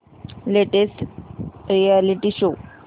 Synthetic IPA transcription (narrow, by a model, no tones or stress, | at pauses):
leʈesʈ | ɾialiʈiɕo